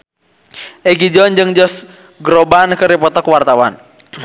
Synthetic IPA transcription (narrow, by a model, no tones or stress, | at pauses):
ʔɛɡid͡ʒɔnd͡ʒɨŋd͡ʒɔs | ɡɾɔbankɨɾipɔt̪ɔkwart̪awan